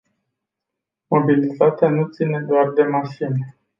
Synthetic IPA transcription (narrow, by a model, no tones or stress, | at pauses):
mo̞bilit̪at̪eanut̪sine̞d̪oard̪e̞maʃine